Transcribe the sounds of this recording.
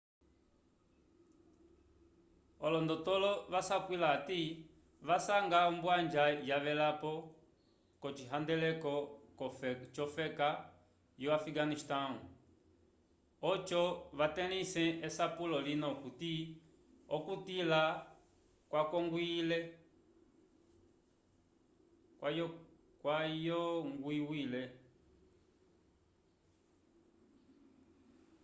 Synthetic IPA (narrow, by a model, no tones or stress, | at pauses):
ɔlɔndɔtɔlɔʋasakwilati | ʋasaŋɡaumbwand͡ʒajaʋɛlapɔ | kɔt͡ʃiɦandɛlɛkɔkɔt͡ʃɔfɛka | jɔwafiɡaniʃtaŋu | ɔt͡ʃɔβatɛnisɛ̃ɛsapulɔlinɔkuti | ɔkutila | kwakɔŋɡwilɛ | j | kwajɔŋɡwiwilɛ